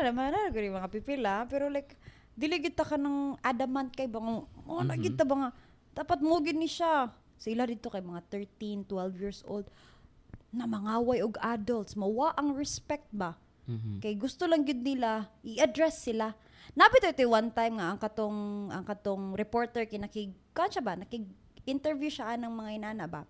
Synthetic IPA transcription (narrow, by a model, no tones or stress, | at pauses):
alɐmaɾaɾoɡʊɾɪjmɐŋapipɪlapɛɾolajk | d̪ɪliɪɡɪd̪̚t̪ɐkanɐŋʔad̪ɐmːant̪̚kɐjbaŋaonɐɡɪd̪̚t̪ɐbɐŋa | d̪̥aːpɐt̪̚muɡɪd̪nɪʃa | sɐɪlad̪id̪t̪okɐjmɐŋat̪ɛɹt̪int̪wɛlvjiɹsʔo̰ld̪̚ | nɐmɐŋaːwɐjoɡad̪olt̪smɐwaʔɐŋɹɛspɛk̚t̪̚ba | kɐjɡʊst̪olɐŋɡɪd̪̚nɪlaʔɪʔʔɐd̪ɾɛsːɪla | nabɪt̪oʔɪt̪owant̪ajmŋaʔɐŋkɐt̪oŋʔɐŋkɐt̪oŋɾɛpoɹt̪ɛɹkɐjnɐkɪɡkanʃabanɐkɪɡ | ɪnt̪ɛɹvjuʃaʔanɐŋmɐŋaʔɪnaːnaʔba̰